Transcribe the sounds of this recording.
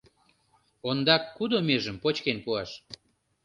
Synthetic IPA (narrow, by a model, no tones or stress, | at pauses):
ond̪ɑkːud̪omeʒəmpot͡ɕkenpuɑʃ